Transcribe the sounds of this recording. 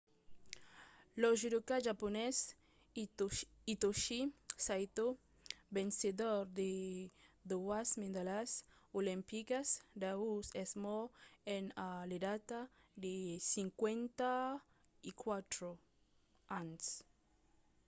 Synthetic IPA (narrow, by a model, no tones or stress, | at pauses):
lɔʒid̪ukaʒapones | it̪oʃisajt̪o | bensed̪oɾd̪e | d̪oasmẽnd̪alasolẽmpikasd̪ausesmɔenaled̪at̪ad̪esiŋkwent̪a | ikwat̪ɾo | ans